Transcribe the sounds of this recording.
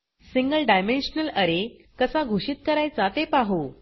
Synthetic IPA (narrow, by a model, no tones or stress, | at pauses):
siŋɡəlɖajmenɕənələɾe | kəsaɡʱuɕit̪̚kəɾajt͡sat̪epaɦu